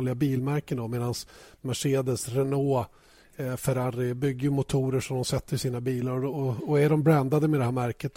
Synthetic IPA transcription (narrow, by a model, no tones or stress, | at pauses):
lɪɡabiːlmæɾkənd̪ɔmeːd̪ansmaʂeːd̪əsɾɛnoː | fœɾaɾɪbʏɡːəjɵmʊt̪ʰuːɾəʂɔmd̪ɔmsɛt̪ːəɾʂiːnabiːlaɾɔɔɔæɖɔmbɾɛnd̪ad̪əmɛd̪ɛhæːɾmæɾkət̪